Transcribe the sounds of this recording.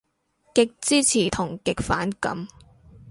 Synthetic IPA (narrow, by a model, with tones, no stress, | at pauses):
kɪ˨k̚t͡siː˥t͡sʰiː˨˩t̪ʰʊ˨˩ŋkɪ˨k̚faː˨˥nkɐ̰˨˥m